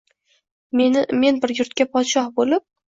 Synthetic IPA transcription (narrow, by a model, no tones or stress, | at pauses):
me̞nɪme̞nbɪɾjʊɾt̪̚kʲapʰɒt̪ʃɒhbolɪp̚